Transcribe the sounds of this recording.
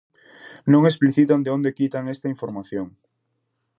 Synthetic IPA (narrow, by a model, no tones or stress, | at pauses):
nõŋespliθit̪and̪eõnd̪ekit̪aŋest̪aiɱfoɾmaθjoŋ